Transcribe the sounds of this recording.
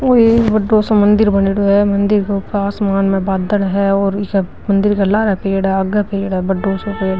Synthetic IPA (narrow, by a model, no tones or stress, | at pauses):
oːibɐɖːoːsõmɐ̃nd̪ɪɾbɐneɽoɦɛmɐ̃nd̪ɪɾkeʊpaːsmaːnmẽbaːd̪əlɦɛɔːɾɪk | mɐ̃nd̪ɪɾkalaːɾapeːɽɦɛaɡapeːɽɦɛbɐɖːoːsopeːɽ